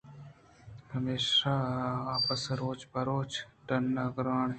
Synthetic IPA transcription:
hɐmeːʃaːaːpəsɾoːt͡ʃbɐɾoːt͡ʃʈɐnːɐɡɾaːɳ

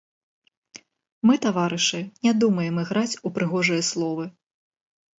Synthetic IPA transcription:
mɨt̪avaɾɨʂɨnʲad̪umɐjɛmɨɣɾat͡sʲupɾɨɣɔʐɨjɐslˠɔvɨ

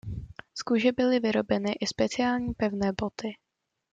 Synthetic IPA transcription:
skuʒɛbɪlɪvɪɾo̞bɛnɪʔɪspɛt͡sɪjaːlɲiːpɛvnɛːbo̞t̪ɪ

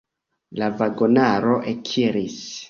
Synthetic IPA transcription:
lavaɡonaɾo̞ʔekʰiɾis

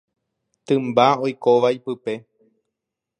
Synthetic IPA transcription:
t̪ɨ̃mbaojkoʋajpɨpe̞

